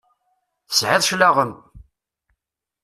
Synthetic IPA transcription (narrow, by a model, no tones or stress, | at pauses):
θsʕɪðˤʃlaʁəm